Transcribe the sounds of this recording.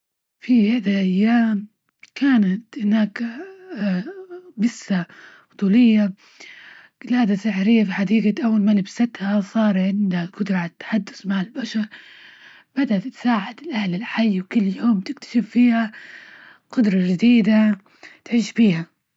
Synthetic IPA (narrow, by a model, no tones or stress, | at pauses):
fihad̪alʔajːaːm | kʰaːnat̪hɪnaːkː | bɪsːabʊt̪ˤuːlɪjːa | lhaːd̪asɪħɾɪjːafiːħad̪iːɡaʔawːalmalɪbsat̪hasˤɑːɾˤʕɪnd̪aɡʊd̪ɾˤʕat̪ːḁħad̪ːʊ̥smaʕɪlbaʃɑɾˤ | bad̪aʔt̪ːsaːʕad̪ɪlʔahlɪlħajːwkʊlːjoːmt̪ɪkt̪ḁʃɪfːiːha | qʊd̪ɾˤɑd͡ʒɪd̪iːd̪a | t̪ʕiːʃbiːha